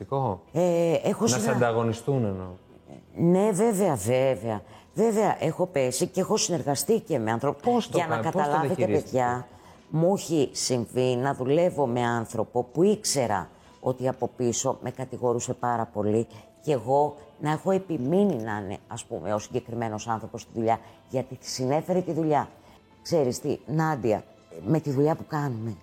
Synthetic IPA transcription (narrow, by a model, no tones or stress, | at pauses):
ikoeexosɐd̪ɐɣo̞nist̪uneno | ne̞ve̞ve̞ɐveve̞ɐ | ve̞ve̞ɐʔe̞xo̞pe̞siceexo̞sine̞ɾɣɐst̪ice̞me̞ɐnθɾopoosʝɐnɐkɐt̪ɐlɐvet̪epe̞ðʝɐ | muçisiɱvinɐðule̞vo̞me̞ɐnθɾo̞po̞puikse̞ɾɐ̰ | o̞t̪iɐpo̞piso̞mʔe̞kɐt̪iɣo̞ɾuse̞pɐɾɐpo̞lice̞ɣo̞nɐe̞xo̞e̞pimininɐnḛɐspume̞o̞siɲɟe̞kɾime̞no̞sɐnθɾo̞po̞st̪iðuʎɐʝɐt̪isine̞fe̞ɾet̪iðuʎɐ | kse̞ɾist̪ḭnɐd̪iɐ̰ | me̞t̪iðuʎɐpukɐnume̞